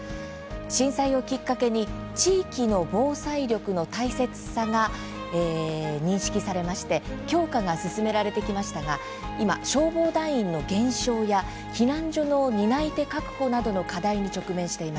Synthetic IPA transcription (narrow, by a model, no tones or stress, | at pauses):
ɕĩɰ̃saio̞kʲikːake̞ɲ̟i | t͡ɕiːkʲino̞bo̞ːsaiɾʲo̞kɯ̟no̞t̪aise̞t͡sɨ̥saɡa | eːɲ̟ĩɰ̃ɕi̥kʲisaɾe̞maɕi̥t̪e̞kʲo̞ːkaɡasɨsɨme̞ɾaɾe̞t̪e̞kʲimaɕi̥t̪aɡa | ima̰ɕo̞ːbo̞ːd̪aĩĩnːo̞ɡẽ̞ɰ̃ɕo̞ːja | çʲinãɲ̟d͡ʑo̞no̞ɲ̟inait̪e̞kakɯ̟̥ko̞nad̪o̞no̞kad̪aiɲ̟it͡ɕo̞kɯ̟mẽ̞ɰ̃ɕi̥t̪e̞imas